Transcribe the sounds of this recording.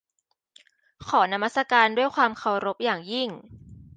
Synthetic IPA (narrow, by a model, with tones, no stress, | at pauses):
kʰɔː˩˦na˦ma˦˥t̪sa˧kaː˧ndu˥˩əjkʰwaː˧mkʰa˧wɾo˦˥p̚jaː˨˩ŋji˥˩ŋ